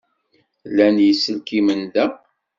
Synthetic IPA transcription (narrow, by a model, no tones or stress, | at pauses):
lænjəsːəlkimənðæ